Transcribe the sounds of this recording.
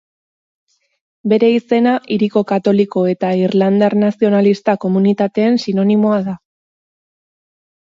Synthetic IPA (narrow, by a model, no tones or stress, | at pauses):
be̞ɾe̞ise̞naʔiɾiko̞kat̪o̞liko̞e̞t̪airland̪arnasio̞nalist̪ako̞munit̪at̪e̞ːnsino̞nimo̞aða